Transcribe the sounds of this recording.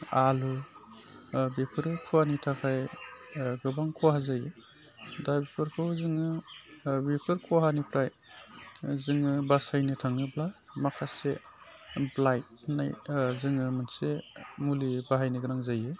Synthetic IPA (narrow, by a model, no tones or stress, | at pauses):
alu | bepʰɯɾɯkʰuanitʰakʰaj | ɡɯbaŋkʰuwaɦazajɯ | dabipʰɯɾkʰɯzɯŋɯ | bipʰɯɾkʰuɦanipʰɾaj | zɯŋɯbasajnɯtʰaŋɯbla | makʰase | blajt̚najzɯŋɯmɯnsemulibaɦajniɡɯɾaŋzajɯ